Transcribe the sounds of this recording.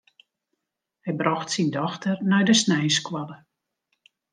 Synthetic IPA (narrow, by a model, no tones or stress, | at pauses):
hɛjbrɔxtsindɔxtərnajdəsnɛjskwɔdə